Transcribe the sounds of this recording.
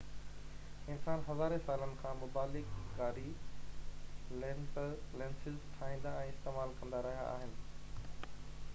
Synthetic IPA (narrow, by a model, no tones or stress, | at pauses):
ɪnsaːnɦɐzaːɾesaːlənɪ̆kʰãːmʊbaːlɪkɡaːɾi | lnlɛ̃ːnsɪzʈʰaːɦĩːnd̪aɛ̃ːɪst̪eːmaːlkɐ̃nd̪aɾɐɦija̰ʔa̰ːɦɪnɪ̆